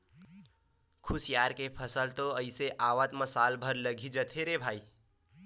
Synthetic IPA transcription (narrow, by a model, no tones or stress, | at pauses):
kʰʊsjaːɾkepʰəsəlt̪oəɪseʔaːʋət̪məsaːlbʱəɾləɡʱid͡ʒət̪ʰeɾebʱaːiː